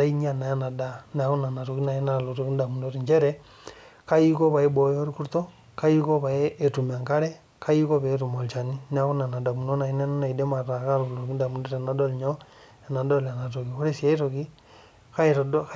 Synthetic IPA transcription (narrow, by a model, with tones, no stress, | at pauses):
a˦i˦ɲi˦a˨na˨ja˦na˨da˨na˨ko˦na˨na˨to˨ki˦na˨i˦na˨lo˨to˨ki˦nda˨mu˨no˦ɾiɲt͡ʃe˦ɾɛ | ka˦i˦ko˦βa˨e˦bo˨jo˦ɾi˦ku˦ɾto˦ | ka˦iko˦βa˨e˦ʔːtu˨ma˨ŋka˦ɾe˦ | ka˦iko˦βe˨˦tu˨mo˨lt͡ʃa˨ni˦na˦ko˦na˨na˨da˨mu˨no˦na˨i˦na˦na˦na˨i˨de˦ma˨ɾa˨ka˦ɾou˨lo˨ki˦nda˨mu˦ndo˦ɾe˨na˨do˦lɲo | e˨na˨do˦la˨na˨to˨ki˨ko˦ɾe˦sia˦ɾo˨ki˦ | kaɾdk